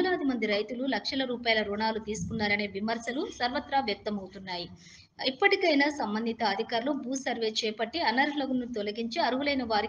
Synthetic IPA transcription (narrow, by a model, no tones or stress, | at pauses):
ɐlaːd̪imɐnd̪iɾɐjt̪ululɐkʂɐlɐɾuːpaːjɐlɐɾuɳaːlut̪iːsu̥kunːaːɾɐne̞ːʋimɐɾsɐlusɐɾʋɐt̪ɾaːʋjɐk̚t̪ɐmɐwut̪unːaːji | ipːɐʈikɐjnaːsɐmbɐnd̪ʱit̪ɐːd̪ʱikaːɾɐlobuːsɐɾʋe̞ːt͡ʃɛːpɐʈːiɐnɐɾlɐɡunːut̪ɔlɐɡiɲt͡ʃeɐɾuɦulɐjnɐʋaːɾi